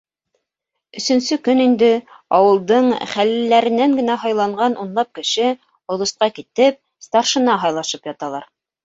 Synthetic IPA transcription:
ɵ̆sɵ̆nsɵkɵnind̪ɘ | ɑwɤ̆lˠd̪ɤɴχælɘ̆lːæɾɘ̆næŋɡɘ̆næɦɑjlˠɑɴɢɑnʔunlˠɑp̚kɘ̆ʃɘ | ŏlˠŏsqɑkit̪ɘp̚ | st̪ɑɾʃɤ̆nɑɦɑjlˠɑʃɤpjɑt̪ɑlˠɑɾ

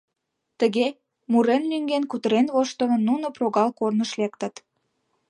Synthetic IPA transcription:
t̪əɣe | muɾenlyŋɡenkut̪əɾenβoʃt̪ə̆mə̆nːunoproɣɑlkornəʃlek̚t̪ə̆t̪

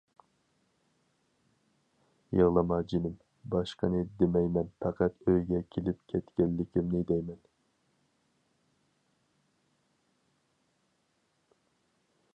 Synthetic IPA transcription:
jɨʁlˠɨmɑd͡ʒinɪm | bɑʃqənɨd̪emɛjmɛnpʰɛqæt̪øjɡʲɛkʲʰelɪpkʲʰɛt̪kʲɛnlːɪkʲʰimnɪd̪ɛjmɛn

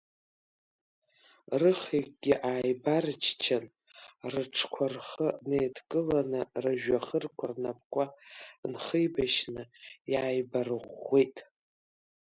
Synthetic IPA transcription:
rɨχikʼɡʲɪʔaːjbart͡ʃʰt͡ʃʰan | rɨʈ͡ʂʰkʷʰarχəneːdkʼɨlanɨraʒᶣaχərkʷʰarnap̚ʰʼkʷʼanχəjbaʃnɨjaːjbarɨʁʷejtʼ

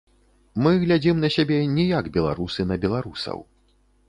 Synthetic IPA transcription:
mɨɣlʲad͡zʲimnɐsʲabʲɛnʲijaɡbʲɛlˠa̰ɾusɨnɐbʲɛlˠaɾusɐ̰w

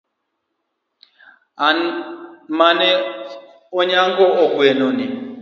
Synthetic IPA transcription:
a | manɛ | oɲaŋɡɔɔkwenɔni

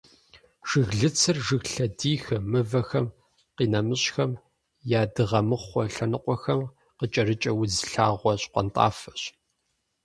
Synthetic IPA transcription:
ʒ̥ɨɣɮɨt͡sʰɨrʒɨɣɬɐdiːxɐmɨvɐxɐm | qiːnɐmɨɕxɐm | jaːdɨʁɐmɨχʷɔɬɐnɨqʷʼɔxɐm | qət͡ʃʼɐrɨt͡ʃʼɐwʊzɬaːʁʷɔɕqʷɔ̰ntʼa̰ːfɐ̥ɕ

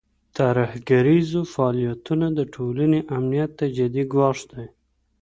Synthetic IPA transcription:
t̪aɾahɡaɾizofaːlijat̪unad̪əʈʰolaneʔamnijat̪ːad͡ʒad̪iɡwɑʂd̪aj

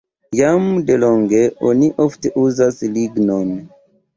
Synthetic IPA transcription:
jamde̞lo̞ŋɡe̞ʔoniʔofte̞ʔuzasliɡno̞n

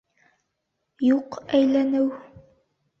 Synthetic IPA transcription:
juqæjlænɘw

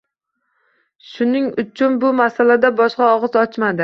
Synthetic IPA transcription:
ʃʊnɪŋʊt͡ʃʰʊnbʊmasalad̪abɒʃqɑɒʁɨzɒt͡ʃmad̪ɪ

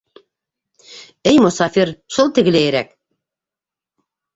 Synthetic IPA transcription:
ɘjmʊsɑfiɾʃulˠt̪ɘ̆ɡɘ̆læjɘɾæk

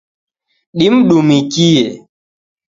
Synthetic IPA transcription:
ɗim̩ɗumikije

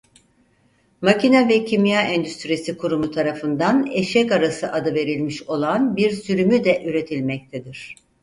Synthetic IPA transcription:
macinavɛcʰimijaɛnd̪yst̪ɾijesikʰuɾumut̪ʰaɾafɯnd̪aneʃɛkaɾasɯʔad̪ɯve̞ɾilʲmiʃo̞lˠanbiɾsyɾymyd̪ɛʔyɾe̞t̪ʰilʲmɛc̚t̪ʰɛd̪iɾ̥

